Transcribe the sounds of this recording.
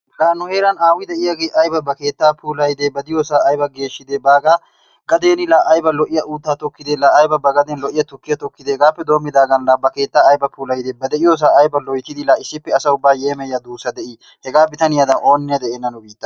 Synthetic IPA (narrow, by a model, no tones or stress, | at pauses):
ɡaːnːʊhe̞ːɾɐnaːwɪd̪ɛʔɪjɐɡeːʔɐjbɐbɐke̞ːt̪ːaːpʰuːlɐjd̪eːbɐd̪ɪjoːsaːɐjbɐɡe̞ːʃːɪd̪eːbaːɡaː | ɡɐd̪eːnɪlaːʔɐjbɐlɔʔɪjɐʔuːt̪ːaːt̪ɔkːɪd̪eːlaːjbɐbɐɡɐd̪ɛnlɔʔɪjɐt̪ʊkːɪjɐt̪ɔkːɪd̪ehɛɡaːpːɛd̪o̞ːmːɪd̪aːɡɐnlaːbɐke̞ːt̪ːaːjbɐpʰuːlɐjd̪eːbɐd̪ɛʔɪjoːs̬aːjbɐlɔjt̪ɪd̪ɪlaːɪsːɪpːɛsɐʊbːaːje̞ːmɛjːɐd̪uːsɐd̪ɛʔiː | hɛɡaːbɪt̪ɐnɪjad̪ɐnʔo̞ːnːɪɐd̪ɛʔeːnːɐnʊbiːt̪ːɐ